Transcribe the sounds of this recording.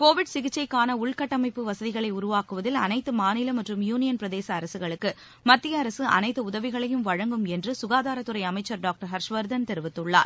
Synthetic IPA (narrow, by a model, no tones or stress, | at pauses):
koːʋɪɖsɪɣɪt͡ʃːɐɪkːaːnɐʊɭkɐʈːɐmɐɪpːɯʋɐsɐðɪɣɐɭɐɪʊɾʊʋaːkɯʋɐðɪlɐ̰nɐɪt̪ːɯmaːnɪlɐmɐʈrɯmjuːnɪjɐnpɪɾɐðeːsɐːɾɐsɯɣɐɭɯkːɯ | mɐt̪ːɪjɐːɾɐsɯʔɐ̰nɐɪt̪ːɯʊðɐʋɪɣɐɭɐjɯmʋɐɻɐŋɡɯmɛndrɯsʊɣaːðaːɾɐt̪ːɯɾɐɪɐmɐɪt͡ʃːɐɾɖaːk̚ʈɐɾɦɐɾʂʋɐɾd̪ɐnt̪ɛɾɯʋɪt̪ːɯɭːa̰ːɾ